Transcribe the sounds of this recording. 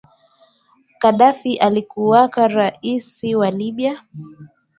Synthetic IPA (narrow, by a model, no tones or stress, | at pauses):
kaɗafiʔalikuwakaɾaisiwaliɓia